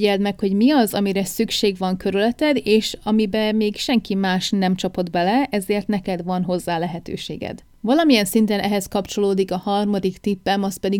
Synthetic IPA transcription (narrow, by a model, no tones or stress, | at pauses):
ɛlt̪mɛkho̞ɟmiɒzɒmiɾɛsykʃeːɡʋɒŋkø̞ɾylɛt̪ɛd̪eːʃɒmibɛmeːɡʃɛŋkimaːʃnɛmt͡ʃɒpo̞d̪bɛlɛɛzeːrt̪nɛkɛd̪ʋɒnɦo̞zːaːlɛɦɛt̪ø̰ːʃḛːɡɛ̰d̪̥ | vɒlɒmijɛnsint̪ɛnʔɛɦɛskɒpt͡ʃo̞loːd̪ikɒhɒrmɒd̪ikt̪ipːɛmɒst̪̚pɛd̪i